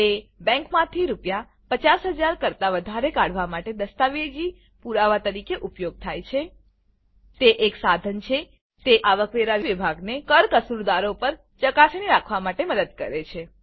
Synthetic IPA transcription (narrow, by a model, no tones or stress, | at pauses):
ebɛ̃ŋkmãt̪ʰiɾupja | pət͡ʃasɦəd͡ʒaɾkəɾt̪aʋəd̪ʱaɾekaɽ̤ʋamaʈed̪əst̪aʋed͡ʒi | puɾaʋat̪əɾikeʔupjoɡ̚t̪ʰajt͡ʃʰe | t̪eʔeksad̪ʱənt͡ʃʰe | t̪eʔaʋəkʋeɾaʋiʋibʱaɡnekəɾkəsuɾd̪aɾopəɾ | t͡ʃəkasniɾakʰʋamaʈeməd̪əd̪̚kə̰ɾet͡ʃʰe